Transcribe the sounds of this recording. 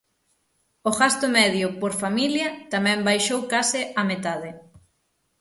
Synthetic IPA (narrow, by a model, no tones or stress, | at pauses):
oɣast̪ʊmɛðjʊpoɾfamiljɐt̪amɛ̃mbajʃowkasɪamet̪að̞ɪ